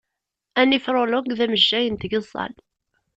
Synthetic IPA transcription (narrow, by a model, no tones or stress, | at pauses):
ænifɾˤoloɡðæməʒːæjənt̪ɡəzˤːɑ̰l